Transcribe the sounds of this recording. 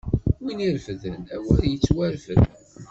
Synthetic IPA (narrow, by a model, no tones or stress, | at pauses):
winiɾfəðənæwæðjət͡sːwæɾfə̰ð